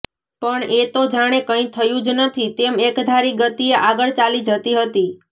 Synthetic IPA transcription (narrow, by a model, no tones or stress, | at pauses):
pəɳet̪od͡ʒaɽ̃ekə̃ĩt̪ʰəjũd͡ʒnət̪ʰit̪emekd̪ʱaɾiɡət̪ieʔaɡəɭt͡ʃalid͡ʒət̪iɦət̪i